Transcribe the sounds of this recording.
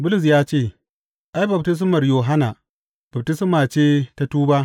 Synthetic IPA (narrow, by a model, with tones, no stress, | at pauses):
bʊ˦lʊ˨s̬jaː˦t͡ʃeː˦˨ | ʔa˦jbɐ˨btɪ˦s̬mɐ˨rjoː˨ɦa˦na˨ | bɐ˨b̚tɪ˦smaː˨t͡ʃeː˦ta˦tuː˦baː˦